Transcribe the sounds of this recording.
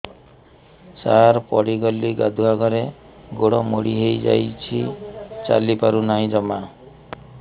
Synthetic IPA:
saɾpɔɽiɡɔliɡad̪ʱuɦaɡɔɾe | ɡoɽɔmoɽiɦejd͡ʒa̰jt͡ʃʰit͡ʃa̰lipaɾunaɦĩd͡ʒɔma

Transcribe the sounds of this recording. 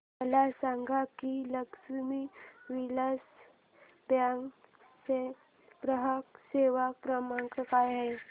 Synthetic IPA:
məlasaŋɡʱakiləksmiʋiləs | bjaŋ | se | pɾəɦəkseʋapɾəmakəkajɦe

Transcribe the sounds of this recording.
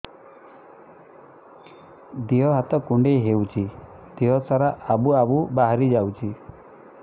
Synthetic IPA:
d̪iɦɔɦat̪ɔkuɳɖeɦewt͡ʃʰi | d̪̥iɦɔsaɾaʔabuabubaɦaɾid͡ʒawt͡ʃʰi

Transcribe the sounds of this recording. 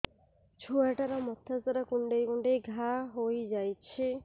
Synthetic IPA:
d͡ʒʰʱuaʈaɾamɔt̪ʰːasaɾakuɳɖejkuɳɖejɡʱaɦojd͡ʒajt͡ʃʰe

